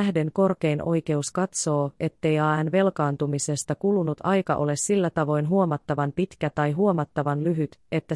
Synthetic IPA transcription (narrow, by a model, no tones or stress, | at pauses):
æhde̞ŋko̞rke̞jnʔo̞jk̟e̞uskɑt̪so̞ːe̞t̪ːe̞jɑænʋe̞lkɑːnt̪umise̞st̪ɑkulunut̪ʰɑjkɑ̰ʔo̞le̞ssilːæt̪ɑʋo̞jnɦuo̞mɑt̪ːɑʋɑmpit̪k̟æt̪ɑjɦuo̞mɑt̪ːɑʋɑnlyɦyt̪e̞t̪ːæ